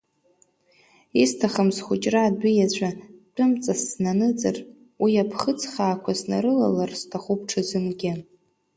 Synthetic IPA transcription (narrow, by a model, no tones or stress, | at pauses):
istʰaχamsχʷʊt͡ʃʼraːdʷijat͡ɕʷʰʼat͡pʰʼʊmt͡sʼasːnanɨt͡sʼɨ̰r | wiapʰχət͡sʰʼχaːkʷʰasna̰ɾɨla̰larstʰaχup̚ʰʈ͡ʂʰɨzɨnɡʲɪ